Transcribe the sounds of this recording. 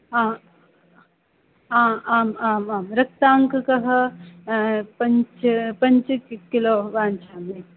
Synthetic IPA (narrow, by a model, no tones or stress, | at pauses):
ãː | ãːaːmaːmaːmɾɐk̚t̪aːŋkkɐɦə | pɐnt͡ʃpɐnt͡ʃkiloːʋaːnt͡ʃʰaːme